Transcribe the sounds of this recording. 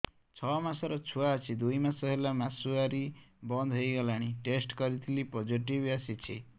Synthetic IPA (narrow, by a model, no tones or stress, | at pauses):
t͡ʃʰɔmasɔɾɔt͡ʃʰuaɔt͡ʃʰid̪ujmasɔɦelamasuaɾibɔnd̪ʱɦojɡɔlaɽ̃iʈesʈkɔɾit̪ʰilipod͡ʒiʈibasit͡ʃʰi